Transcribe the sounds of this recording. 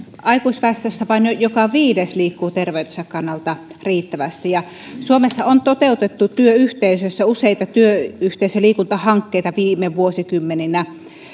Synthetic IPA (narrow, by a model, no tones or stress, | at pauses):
ɑikuisʲʋɑst̪øsʲt̪æʋɑˑinjojokɑʋiːdesliːkːuːt̪erʋeˑyt̪esɑkkɑnːɑlt̪ɑriːt̪ːæʋæst̪ijɑ | suomesːɑont̪ot̪eˑut̪et̪ːut̪yøyht̪eˑysøsːæuseˑit̪ɑt̪yøyht̪eˑisøliːkunt̪ɑhɑŋkːeˑit̪ɑʋiːmeʋuosikymːeninæ